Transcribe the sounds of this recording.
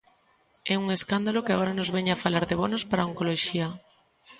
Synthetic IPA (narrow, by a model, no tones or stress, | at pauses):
ɛuŋeskand̪alokɪaɣoɾanozβɛɲafalaɾðeβ̞onospaɾaoŋkoloʃia